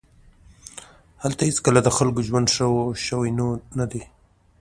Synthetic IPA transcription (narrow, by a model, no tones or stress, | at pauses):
halt̪aheskəlad̪əxalkoʒwand̪ʃəwoʃəwinonad̪e